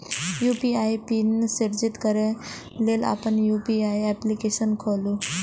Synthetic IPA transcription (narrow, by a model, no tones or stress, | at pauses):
jupiajpinsiɾd͡ʑit̪kəɾe | lela̰pəɳjupiajɛplikeɕənkʰolu